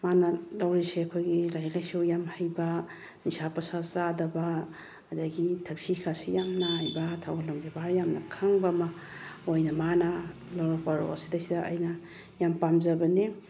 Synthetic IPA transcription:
manɐlawɾiseɐkʰojɡilajɾɐlajsiwjamhajbɐ | nisapɐsazadɐbaː | daɡitʰɐk̚sikʰasijamnaɦajbɐtʰawɡalomɡebaɾjamnɐ̰kʰaŋbɐmɐ | ojnɐmanɐ | lawɾɐk̚paɾo̰ɐsi̥dɐsidɐʔajnɐ | jampamzɐbɐni

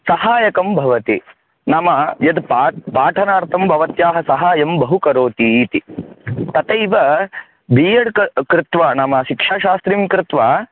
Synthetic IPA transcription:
sɐɦaːjɐkɐmbʱɐʋɐt̪i | nɐmɐjɐd̪paːpaːʈʰɐnaːɾt̪ɐmbʱɐʋɐt̪jaːɦɐsɐɦaːjɐmbɐɦukɐɾoːt̪it̪it̪ɐt̪ejʋɐ | bʱiːjɐɽkɐkɾɪt̪ʋanɐmɐʃikʂaːʃaːst̪ɾimkɾɪt̪ʋaː

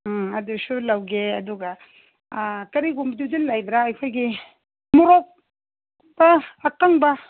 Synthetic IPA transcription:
ɐdusulawɡeɐduɡɐ | kɐɾiɡumbdud͡ʒilːajbɾaːjkʰojɡi | mɔɾɔk̚ | bɐːkaŋbɐ

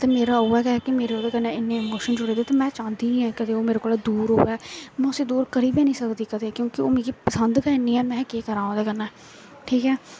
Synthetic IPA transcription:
t̪eːmeːɾaːɦoːɛːkɛkimeːɾeːoːd̪eːkəɾnɛ̃ːɪnːẽːɪmoːʃənd͡ʒʊɾeːd̪eːt̪eːmɛ̃ːt͡ʃãːnd̪iːniɛ̃ːkəd̪eːoːmeːɾekoːlːd̪uːɾɦo̰ːɛːmɛ̃ːʊsiːd̪uːɾkəɾiːbẽːnĩːsəkd̪iːkəd̪eːkjõːkɪoːmeːɡiːpəsənd̪kəːniːɛːmɛ̃ːkeːkəɾãːõːd̪eːkənɛː | ʈʰiːkɦɛː

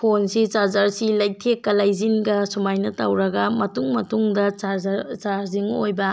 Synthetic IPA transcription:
pʰonsit͡ʃazaɾsilɐj̚tʰekːɐlajzinɡɐsumajnɐtɐwɾɐɡɐmɐtuŋmɐtuŋdɐat͡ʃaɾziŋojbɐ

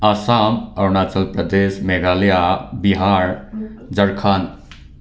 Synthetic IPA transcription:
asamɐɾnaːt͡ʃəlpɾəd̪esmeɡaːljabiɦaɾd͡ʒəɾkʰaːn

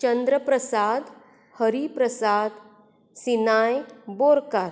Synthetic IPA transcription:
t͡ɕənd̪ɾəpɾəsad̪ | həɾipɾəsad̪ | sinajboɾkaɾ

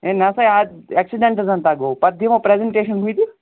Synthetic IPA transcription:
enɐsɐjadeksiɖeɳʈzɐnt̪aɡopɐd̪ʱjɐmɐpɾezeɳʈeːʃɐnɦujt̪i

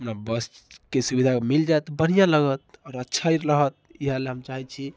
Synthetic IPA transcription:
əmnabəs | kesubid̪ʱakemild͡ʒaet̪bən̤ijãləɡət̪̚ɔːɾətːʃʰaiɾɾəɦət̪̚iɦaleɦəmt͡ʃaɦit͡ʃʰi

